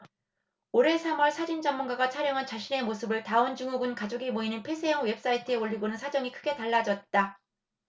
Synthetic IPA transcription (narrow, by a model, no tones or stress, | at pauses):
oɾe̞sʰamʌɭsʰad͡ʑind͡ʑʌmːunɡaɡat͡ɕʰaɾjʌŋɦant͡ɕaɕʰine̞mosʰɯbɯɭtaɯnd͡ʑuŋoɡɯnkad͡ʑoɡimoinɯnpʰe̞sʰejʌŋwe̞p̚s͈aitʰɯe̞oʎːiɡonɯnsʰad͡ʑʌŋikʰɯɡe̞taɭːad͡ʑʌt̚t͈a